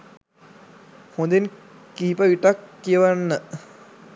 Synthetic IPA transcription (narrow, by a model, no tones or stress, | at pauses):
hõnd̪en | kiːpəʋiʈakːiəʋanːə